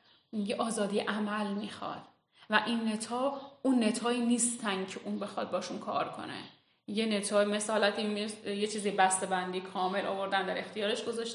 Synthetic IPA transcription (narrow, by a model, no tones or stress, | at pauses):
ijeʔɒːzɒːd̪ijḛʔæmælmixɒ̰ːd̪̥ | væʔinːe̞t̪ʰɒːunːe̞t̪ʰɒːiːniːst̪ʰænd̥̪̚cʰeʔuːnbe̞xɒ̰d̪̚bɒːʃunkʰɒ̰ːɾkʰo̞̰nḛ | jenet̪ʰɒːme̞sɒːlæt̪ʰimjet͡ʃʰiːzibæst̪e̞bænd̪ijkʰɒːme̞lʔɒ̰ːvo̞ɾd̪ænd̪æɾext̪ijɒːɾe̞ʃɡozɒʃt̪